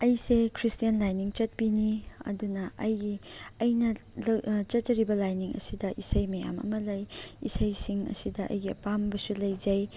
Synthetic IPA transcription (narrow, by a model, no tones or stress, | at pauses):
ɐjsekʰɾistijɐnlajniŋt͡ʃɐt̚biniɐ̰dunɐɐjɡiːjnɐlt͡ʃɐt̚t͡ʃɐɾibɐlajniŋɐ̰sidɐʔisɐjmɐja̰mɐ̰mɐlɐjisɐjsiŋɐ̰sidɐʔɐ̰jɡiɐ̰pambɐsulɐjzɐj